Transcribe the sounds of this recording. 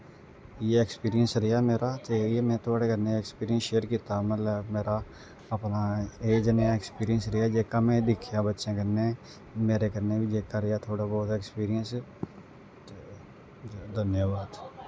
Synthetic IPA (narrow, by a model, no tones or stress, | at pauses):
jeːɛkspiːɾijənsɾɪjaːmeːɾaːt̪eːeːmɛ̃ːt̪ʰʊaːɽeːkəɾneːɛkspiːɾɪjə̃nsʃeːəɾkiːt̪aːmələmeːɾaː | əpnaːeːd͡ʒənjãɛkspiːɾɪjənsɾəaːd͡ʒeːkaːmẽːd̪ɪkʰːjãːbətːʃãːkəɾneː | meːɾeːkəɾneːʋiːd͡ʒeːkaːɾɪjaːt̪ʰoːɽaːbɔːt̪ɛːkspiːɾɪjəns | d̪ənjaːbaːd̪